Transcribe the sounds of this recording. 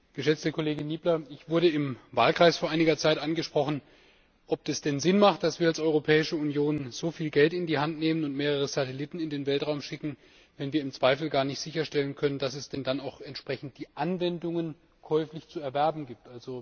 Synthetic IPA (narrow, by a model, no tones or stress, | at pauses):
ɡ̥əʃɛt͡stəkʰoleːɡɪnːiːblɐɪçv̥ʊɐɾəɪmva̰ːlkʁ̥aɪsfoːɐʔaɪnɪɡɐt͡saɪtʔanɡəʃpʁ̥ɔχn̩ | ʔɔpɛsd̥ɛnzɪnmaχt̚d̥asv̥iːɐalsʔɔʏʁ̞opʰɛːɪʃəunjoːnz̥oːfiːlɡɛltɪndiːhantneːmənʊntmeːʁ̞əʁ̞əz̥atɛlɪtn̩ɪndeːnvɛltʁ̥aʊmʃɪkŋ̩ | vɛnviːɐɪmt͡sv̥aɪfl̩ɡaːɐnɪçtz̥ɪçɐʃtɛlənkʰœnənd̥asɛsd̥ɛndanaʊxɛntʃpʁ̥ɛçn̩t̚d̥iːʔanvɛndʊŋən | kʰɔʏflɪçt͡suɛɐvɛɐbm̩ɡiːp̚tʔalzo